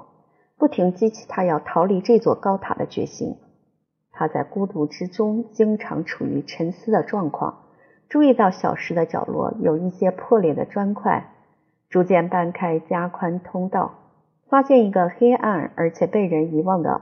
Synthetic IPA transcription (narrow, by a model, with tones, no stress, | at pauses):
pu˥˩t̪ʰi˧˥ŋt͡ɕi˥t͡ɕʰi̥˥˩t̪ʰa˥jɑ˥˩ʊt̪ʰɑ˧˥ʊli˥˩ʈ͡ʂɤ˥˧t͡swɔ˥˩kɑ˥ʊt̪ʰa̰˨˩d̪ə̰˦t͡ɕɥɛ̰˧˥ɕḭ˥ŋ | t̪ʰa˥t͡sa˥˩ɪku˥t̪u˥˩ʈ͡ʂɻ̩˥ʈ͡ʂʊ˥ŋt͡ɕi˥ŋʈ͡ʂʰɑ̰˧˥ŋʈ͡ʂʰṵ˨˩y̰˧˥ʈ͡ʂʰə˧˥nsɹ̩˥d̪ə˨ʈ͡ʂwɑ˥˧ŋkʰwɑ̰˥˩ŋ | ʈ͡ʂu˥˧i˥˧t̪ɑ˥˩ʊɕjɑ̰˨˩ʊʂɻ̩˧˥d̪ə˧t͡ɕjɑ̰˨˩ʊlwɔ̰˥˩jo˨˩ʊi˥˩ɕjɛ˥pʰwɔ˥˧ljɛ˥˩d̪ə̰˦ʈ͡ʂwa˥nkʰwa̰˥˩ɪ | ʈ͡ʂu˧˥t͡ɕjɛ˥˧npa˥˩nkʰa˥ɪt͡ɕja˥kʰwa˥nt̪ʰʊ˥ŋt̪ɑ˥˩ʊ | fa˥ɕjɛ˥˩ni˧˥ɡə˧xe˥ɪʔa̰˥˩nə̰˞˧˥t͡ɕʰjɛ˨˩pe˥˩ɪɻə˧˥ni˧˥wɑ˥˩ŋd̪ə̰˩